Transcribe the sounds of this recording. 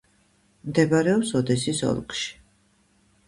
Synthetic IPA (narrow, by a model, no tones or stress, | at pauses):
md̪ɛbaɾɛɔpsɔd̪ɛsisɔ̰lˠkʼʃi̥